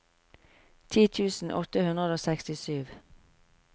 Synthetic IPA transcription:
t̪ʰiːt̪ʰʉːsn̩ʔɔt̪əhʉnʁəd̪oːsɛkst̪ɪsyːʋ

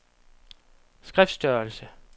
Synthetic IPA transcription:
sɡ̥ʁɛfd̥sd̥œɐlsə

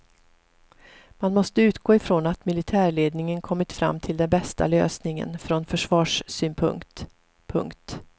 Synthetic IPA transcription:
manmɔst̪əʉ̟ːt̪ɡoːɪfɾonat̪mɪlɪt̪ʰæːɭeːd̪nɪŋənkʰɔmːɪt̪fɾa̰mːt̪ʰɪld̪ɛnbɛst̪a̰lø̰ːsnɪŋə̰nfɾɔnfœʂvɑːʂsyːnpʰɵ̰ŋt̪ | pʰɵ̰ŋkt̪

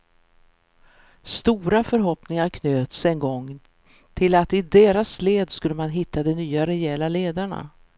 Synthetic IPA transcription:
st̪uːɾafœɾɦɔpnɪŋaɾkʰnøːt̪sɛnɡɔŋ | t̪ʰɪlat̪ɪd̪eːɾasleːd̪skɵlːəmanɦɪt̪ʰːad̪ɛnyːaɾɛjɛːlaleːd̪aɳa̰

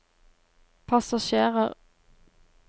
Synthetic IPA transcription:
pʰɑsɑʃeːʁəʁ

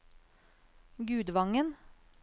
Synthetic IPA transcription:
ɡʉːd̪ʋɑŋən

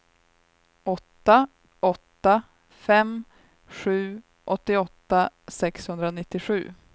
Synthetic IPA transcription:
ɔt̪ːa | ɔt̪ːa | fɛm | ɧʉ̟ː | ʔɔt̪ːɪɔt̪ːasɛkshɵnd̪ɾanɪt̪ːɪɧʉ̟̰ː

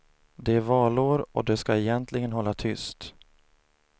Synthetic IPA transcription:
d̪ɛævɑːɭoːɾɔ̰d̪ɛskaɛjɛnt̪ʰlɪɡənɦɔlːat̪ʰʏst̪

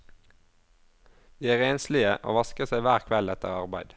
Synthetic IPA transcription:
d̪iːæːʁeːnslɪəʔo̰ːʋɑskəsæɪʋæːʁkʰʋɛlɛt̪ə̰ʁɑʁbæɪd̪

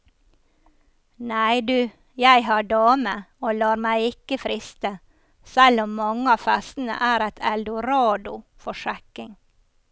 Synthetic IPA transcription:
næɪd̪ʉː | jæɪhɑːɖɑːməoːlɑːɾmæɪɪkəfɾɪst̪ə | sælɔmːɑŋəɑːfæst̪n̩ə̰ʔæːɾɛt̪ʰɛld̪ʊɾɑːd̪ʊfɔʃɛkɪŋ

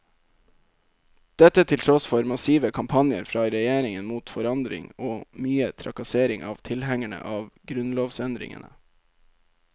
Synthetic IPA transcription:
d̪̥ɛt̪ət̪ʰɪlt̪ʰɾɔsfɔɾmɑsiːʋəkʰɑmpʰɑnjə̰ɾfɾɑːɾɛjeːɾɪŋənmuːt̪fɔɾɑnd̪ɾɪ̰ŋoːmyːət̪ʰɾɑ̰kɑseːɾɪŋʔɑːʋt̪ʰɪlhɛŋæɳə̰ʔɑːʋɡɾʉnloːʋsɛnd̪ɾɪ̰ŋə̰nə̰

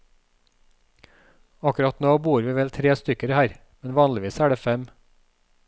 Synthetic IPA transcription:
ɑkʉɾɑt̪noːbuːɾʋiːʋɛlt̪ʰɾeːst̪ʏkəɾhæːɾ | mɛnʋɑːnlɪʋiːsæːɖeːfɛm

